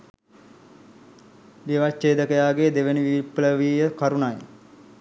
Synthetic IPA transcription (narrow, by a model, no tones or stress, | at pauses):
ʋiʋat͡ʃːeːd̪əkəjaːɡed̪eʋeniʋipləʋiːjəkaɾunaj